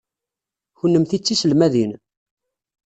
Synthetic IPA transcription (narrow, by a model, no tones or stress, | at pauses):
çənːəmθit͡sːisəlmæðin